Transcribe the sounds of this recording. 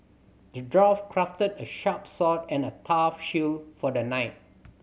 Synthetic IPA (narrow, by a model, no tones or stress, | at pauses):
dədɹɔfkʰɹaftədəʃapsɔtɛ̃nətʰafʃilfɔdənaɪt̚